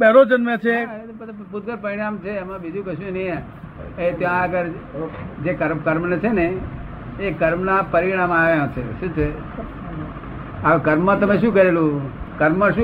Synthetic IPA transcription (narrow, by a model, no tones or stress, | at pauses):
bɛɾod͡ʒənmə̃t͡ʃʰe | pət̪aput̪̚ɡəɾpəɾiɽ̃amt͡ʃʰeəmãbid̪ʱũkəʃjũnəjẽ | et̪jãəɡəɾ | d͡ʒekəɾmkəɾmnt͡ʃʰeneː | kəɾmnapəɾiɽ̃amaʋjãt͡ʃʰeʃũt͡ʃʰe | akəɾmmãt̪əmẽʃ̬ũkəɾelũkəɾmmãʃũ